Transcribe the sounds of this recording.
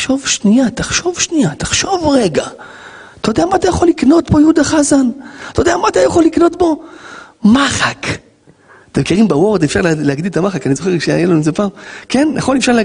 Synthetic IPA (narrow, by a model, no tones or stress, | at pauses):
ʃo̞vʃnijat̪aχʃo̞vʃnijat̪ḁχʃo̞vʁeɡa | t̪ajodeamaːt̪ajaχo̞lːikno̞t̪bo̞jud̪aχazant̪ajod̪eamaːt̪ajaχolikno̞t̪bo̞ | maχak | at̪emkiʁimbawo̞ʁd̪efʃaʁleleaɡd̪ilt̪amaχakanizo̞χe̞kʃeajelanuzepaːmkenjʔa̰χolefʃaʁl